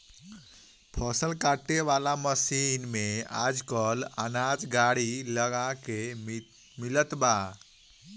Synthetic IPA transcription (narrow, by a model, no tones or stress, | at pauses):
pʰɔsəlkaʈːeʋalaməsinmea̰d͡zkələ̰nad͡zɡaɽiləɡake | milət̪ba